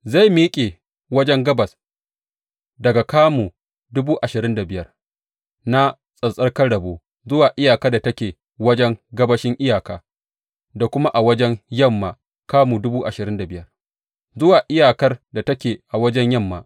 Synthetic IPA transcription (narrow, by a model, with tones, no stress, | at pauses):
za˦˨jmiː˦kʲʼeː˨ | wɐ˦d͡ʒɛ˦ŋɡɐ˦bɐ˨s | dɐ˨ɡa˨kaː˦muː˨ | dʊ˦buː˦ʔa˨ʃɪ˨ɾɪ˦nda˨bɪ˦jɐ˦r | na˦ | sʼɐ˨sʼɐ˦rkɐ˦ɽɐ˨boː˦ | zʊ˦waː˨ʔɪ˦jaː˨kɐ˦rda˨tɐ˦kʲeː˨ | wɐ˦d͡ʒɛ˦ŋɡɐ˦bɐ˦ʃɪ˦ŋʔɪ˦jaː˨kaː˨ | da˨kʷʊ˦ma˦ʔa˨wɐ˦d͡ʒɛ˦ŋjɐ˦˨mːaː˨ | kaː˦muː˨dʊ˦buː˦ʔa˨ʃɪ˨ɾɪ˦nda˨bɪ˦jɐ˦r | zʊ˦waː˨ʔɪ˦jaː˨kɐ˦rda˨tɐ˦kʲeː˨ʔa˨wɐ˦d͡ʒɛ˦ɲjɐ˦˨mːa̰ː˨ʔ